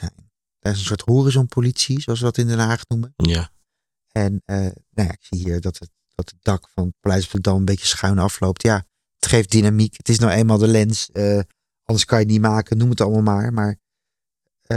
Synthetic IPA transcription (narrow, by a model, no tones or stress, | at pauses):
ɛn | d̥əɹɪs̬ənsʊːɹtɦoːrizɔnpʰolitsizoɑlsʋədɑtɪndɛnɦaːχnumən | ɛnənowja̰ɪksiɦiːɹdɑtət | d̥ɑtədɑkfɑnpalɛjtsfdədɑlˠənbejcəsχœɥnɑflowp̚tjaː | ətχejf̚dinamikətɪsnɔχejnmaːlˠdəlɛnsə | ɑndəɹskɑnjənimaːkənumətɑlˠmalˠmaːɹmaːɹ